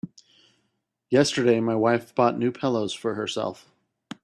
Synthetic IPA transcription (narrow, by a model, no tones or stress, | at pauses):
jɛstə˞ɾeɪmaɪwaɪfb̥ɔtⁿnʉpʰɛlˠoʊz̥fə˞hə˞sɛ̰lˠf